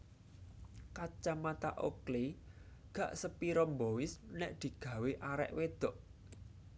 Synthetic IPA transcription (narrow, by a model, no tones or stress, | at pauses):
kat͡ʃamat̪aʔokli | ɡ̥ä̤ʔsəpiɾɔmbowɪsnɛʔd̪̥i̤ɡ̥ä̤weʔaɾɛ̰ʔwed̪̥ɔ̤ʔ